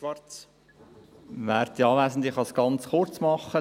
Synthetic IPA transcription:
ʋɑt͡s | ʋæːɾt̪ɑːʋæːsən̩d̪ɪχɑsɡ̥ɑnt͡sχʊrt͡smɑχːə

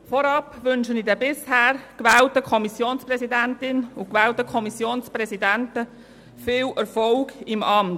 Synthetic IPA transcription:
fɔɾɑpʋʏnʃənidɛbɪshæːɾkʋɛːltəkʰɔmisjoːnsprɛzidæntɪnʊkʋɛːltəkʰɔmisjoːnspɾɛzidæntə | fɪːlɛɾfɔlɡ̥ɪmɑmt

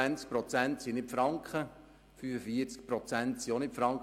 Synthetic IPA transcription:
ænt͡sk̚pɾɔt͡sænt̪sinɪpfɾɑŋkχə | fyfəfiət͡sk̚pɾɔt͡sænt̪sionɪpfɾɑŋk

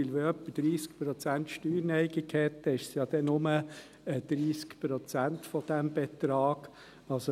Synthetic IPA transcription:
ilʋeœpːəd̥ɾiːsk̚pɾɔt͡sænt̪ʃtyːɾnɛɪɡikʰhɛt̪ːəɪʃsjɑːd̥̪ɛnʊmə | əd̪̥ɾiːskpɾɔt͡sænt̪fɔd̥̪æmb̥et̪ɾɑːɡ̥ | ɑso

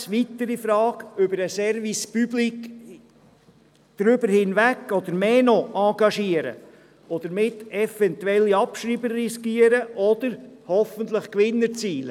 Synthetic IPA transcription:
ʋit̪əɾifɾɑːkʏbəɾəsɛɾʋispyblik | d̥ɾybəɾhɪnʋækːɔd̪əɾmeːnɔʔɑɡɑʃiəɾə̰ | ɔd̪əɾmɪtɛfɛnt̪uɛlːiɑpʃɾiːbərːiskiəɾəʔɔd̪̥əɾhɔfənt̪ləχkʋɪnːəɾt͡siːlə

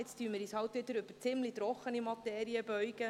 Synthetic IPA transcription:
ɪt͡styːəmɪɾiːshɑwt̪ʋɪd̪əɾøbə̥t͡sɪmlit̪ɾɔχːənimɑt̪ɛːɾiəbœɥɡ̥ə

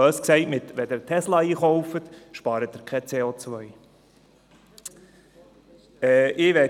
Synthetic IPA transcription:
øːsksɛɪtmɪt̪ʋɛd̪ɛɾt̪ʰɛslɑiːχɔwfət̪ʃpɑːɾət̪̚ːɪɾkʰɛt͡seːot͡sʋœj | ɛʔɪʋɛ

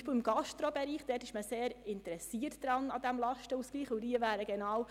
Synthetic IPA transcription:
pəl̩ɪmɡ̥ɑʃtɾobɛɾiːχd̥ɛːtɪʃməseːɾɪntəɾɛsiːətd̥ɾɑnɑd̪æmlɑʃtəusɡ̥liːχʊdiːəʋæːɾəɡɛnɑːw

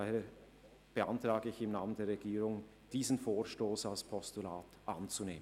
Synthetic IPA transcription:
aheːɐ | b̥əʔantʁ̥aːɡəɪçɪmnaːməndeːɐɾʁɛɡiːʁʊŋ | d̥iːzənfoːɐʃtoːsalspʰɔstulaːtʔant͡suneːmən

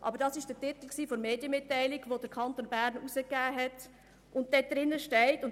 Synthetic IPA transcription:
ʔɑ̰bəɾdɑsɪʃd̥ətɪt̪l̩ksiːfoɾmeːdjəmɪtːæɪlɪɡʋodəɾkʰɑntoːnbæɾnusəkːæːɦɛt | ʔʊnt̚d̥ɛd̥̪ɾɪnːəʃtɛɪtʊn

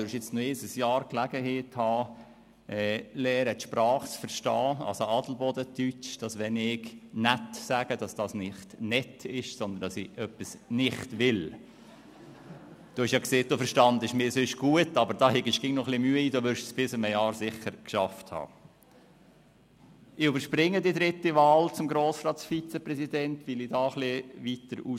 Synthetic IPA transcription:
øɾʃjɪt͡snojeːdəsjɑːɾklæɡ̥əheːthɑː | ʔɛlɛːɾət̪ʃpɾɑːχsfəɾʃtɑːɑ̰səɑdl̩bɔdət̪yt͡ʃd̥ɑsʋɛnɪknætsæːɡ̥əd̥ɑsd̥ɑsnɪχtnɛtʰɪʃsɔnd̪əndɑsɪʔœpːisnɪχtʋɪl | d̥oːɪʃjɑːkseːt̚d̥̪ofəɾʃtɑnd̪əɪʃmɪːɾsʏʃɡ̥uətːɑbəɾd̥ɑːhɛɡɪʃɡ̥ɪŋnɔχlɪmyəiːdoʋʏɾʃsb̥ɪsɪməjɑːɾsɪχːəɾkʃɑfthɑ̰ː | ʔɪybəɾʃpɾɪŋːədid̪ɾɪt̪ːiʋɑːlt͡sʊmɡɾoːsɾɑːtfit͡sɛpɾɛsidɛntʋɪlidɑːχlɪʋitəɾu

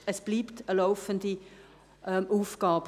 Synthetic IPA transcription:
əsb̥liːptəlaʊfəndi | ɛʔuːfɡ̥ɑːbə

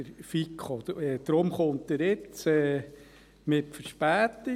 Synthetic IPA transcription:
əɾfikχoɛd̪̥ɾomχʊnt̪əɾɪt͡sɛː | mɪtfəɾʃpæːti

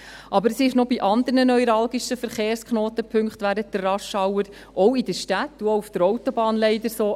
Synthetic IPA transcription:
ʔɑbəɾəsɪʃnobiʔɑnd̪əɾnənɔjɾɑlɡiʃəfəɾχeːrskχnoːt̪əpʰɵŋkχt̪ʋæɾənt̚d̥̪ərɑʃɑwəɾ | ʔɔwidəʃtætːuoufd̥əɾɔwt̪ɔbɑːnlɛɪdəɾsoː

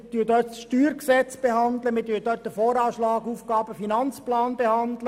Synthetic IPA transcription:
tyːd̪œtsʃtyːɾksɛt͡sb̥ehɑnd̪ləmɪːtyːdøːt̚dəfɔːɾɑːʃlɑːɡuːfɡɑːb̥əfinɑnt͡splɑːnbehɑndlə

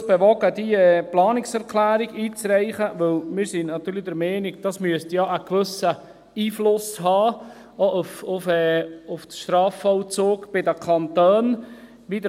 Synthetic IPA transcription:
b̥ɛʋɔɡədiɛplɑːnɪksɛɾkʰlæːɾiɡiːt͡sɾɛɪχəʋɵlmɪɾsinnɑt̪yːɾlidəɾmɛːnɪɡ̚d̥ɑsmyəstjɑʔəkʋɵsə | iːflʊshɑː | ɔʔufʊfɛːʊfʃt̪ɾɑːfɔwt͡soːkb̥ɪdækʰɑnt̪øːn | ʋidə

